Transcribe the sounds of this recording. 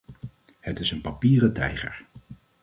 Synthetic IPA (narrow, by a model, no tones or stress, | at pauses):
hətɪsənpɑpiːrətɛ̰jχə̰ɹ